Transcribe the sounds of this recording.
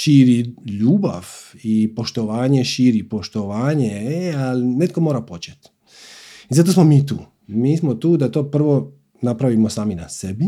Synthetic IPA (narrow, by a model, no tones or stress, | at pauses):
ʃiːɾiʎuːba̰ʋipo̞ʃt̪oʋaːɲeʃiːɾipo̞ʃt̪oʋaːɲeealine̞t̪ko̞moɾapo̞t͡ɕet̪ | izat̪̬o̞smomiːt̪uː | miːsmot̪uːd̪at̪oːpr̩ʋo̞ | napɾaʋimosaːminasebi